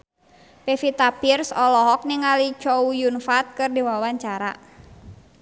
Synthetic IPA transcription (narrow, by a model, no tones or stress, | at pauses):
pefit̪apirsɔlɔɦɔk̚niŋalit͡ʃɔujunfat̪̚kɨrdiwawaɲt͡ʃaɾa̰